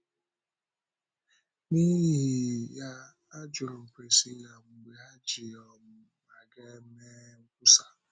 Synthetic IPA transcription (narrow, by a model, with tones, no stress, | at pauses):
ni˦ɦi˦˨ɦja˦ | a˦d͡ʒʊ˨ɾʊ˨kʷe˨si˦ja˨ŋ͡m̩˨ɡ͡be˨a˦d͡ʒi˨ɔ˨m̩˦ | ma˨ɡe˦me˦ŋ̩˦kʊ˦sa˨